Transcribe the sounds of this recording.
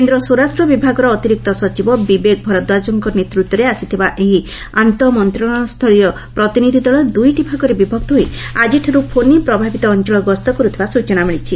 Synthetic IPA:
kend̪ɾɔsuɾasʈɾɔbibʱaɡɔɾɔːt̪iɾik̚t̪ɔsɔt͡ʃibɔbibek̚bʱɔɾɔd̪wad͡ʒɔŋkɔnet̪ɾut̪ːɔɾeasit̪ʰibaʔeɦi | ant̪ɔmɔnt̪ɾɔɔ̃st̪ʰɔɭiɔ | pɾɔt̪inid̪ʱid̪ɔɭɔd̪ujʈibʱaɡɔɾebibʱɔɡ̚t̪ɦojad͡ʒiʈʰiɾupʰonipɾɔbʱabit̪ɔːnt͡ʃɔɭɔɡɔst̪ɔkɔɾut̪ʰibasut͡ʃɔnamiɭit͡ʃʰi

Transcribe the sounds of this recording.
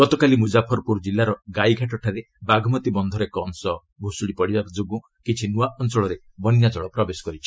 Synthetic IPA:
ɡɔt̪ɔkalimud͡ʒapʰɔɾpuɾd͡ʒilːaɾɔɡajɡʱaʈɔʈʰaɾe | baɡʱɔmɔt̪ibɔnd̪ʱɔɾekɔnsɔ | bʱusuɽipɔɽibakɔd͡ʒoɡũ | kit͡ʃʰinuaʔɔnsɔɭɔɾe | bɔnjad͡ʒɔɭɔpɾɔbesɔ̥kɔɾit͡ʃʰi̥

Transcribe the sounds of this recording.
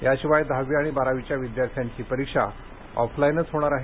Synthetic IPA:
jaɕiʋajd̪ʱaʋiːaɽ̃ibaɾaʋit͡ɕjaʋid̪jaɾt̪ʰjaɲt͡ɕiːpəɾikʂa̰ | ɔ̰fʰlainət͡sɦoɽ̃aɾaɦe

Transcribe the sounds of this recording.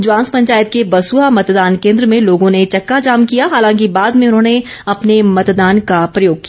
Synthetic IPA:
d͡ʒʊãːnspɐ̃ɲt͡ʃaːjət̪̚kebɐsuːɦamɐt̪d̪aːnkẽːnd̪ɾəmẽloːɡõnet͡ʃɐkːad͡ʒaːmkijaɦaːlãːkibaːd̪mẽʊnɦõːne | ɐpnemɐt̪d̪aːnkapɾɐjoːɡ̚kija

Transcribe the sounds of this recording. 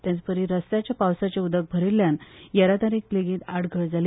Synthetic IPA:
t̪jãt͡spəɾiɾəst̪jat͡ɕjapawsat͡ɕeud̪ək̚bʱəɾilːjanjaɾat̪aɾiːkleɡiːd̪aɽɡʱəɭd͡zali

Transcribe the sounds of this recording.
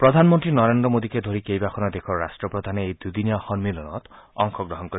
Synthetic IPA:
pɾɔd̪ʱanmɔnt̪ɾinɔɾend̪ɾɔmod̪iked̪ʱoɾikejbakʰɔnɔd̪ekʰɔɾasʈɾɔpɾɔd̪ʱaneːjd̪ud̪inijɔxɔnmilɔnɔ̰t̪ɔŋkʰɔɡɾɔɦɔnkɔɾi

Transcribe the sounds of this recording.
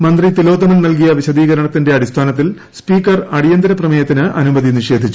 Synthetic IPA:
mɐnd̪rit̪ilo̞ːd̪ɐmɐnnɐlk̬ijɐʋiɕɐd̪iːɣɐɾɐɳɐt̪ːinde̞ɐɽist̪ʰaːnɐt̪̬ːil | spiːkːɐrɐɽijɐnd̪ɐɾɐprɐmɐjɐt̪ːinɨʔɐnubɐðiniʂe̞ːd̪ʱit͡ɕːu

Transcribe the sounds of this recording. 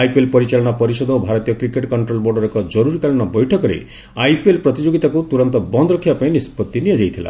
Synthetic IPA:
ajpelpɔɾit͡ʃaɭɔñɔpɔɾisɔd̪ɔobʱaɾɔt̪ijɔkɾikeʈkɔɳʈɾolboɾɖɔɾekɔd͡ʒɔɾuɾikaɭɔnɔbɔjʈʰɔkɔɾḛ | ajpelpɾɔt̪id͡ʒoɡit̪akut̪uɾɔnt̪ɔbɔnd̪ɔɾɔkʰːibapaĩnispɔt̪ːinijad͡ʒajt̪ʰila̰

